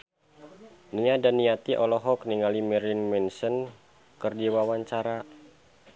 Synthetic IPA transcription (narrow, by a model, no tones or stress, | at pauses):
niɲadaniat̪iʔɔlɔɦɔk̚niŋalimɛɾinmɛnsən | kərdiwawaɲt͡ʃaɾa